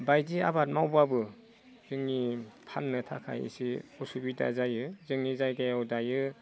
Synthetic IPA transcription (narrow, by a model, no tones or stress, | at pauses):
bajdia̰bat̚mawbabɯ | z̥ɯŋnipʰanːɯtʰakʰa̰jḭsiɔsubida̰zajɯzɯŋnizajɡajawdajɯ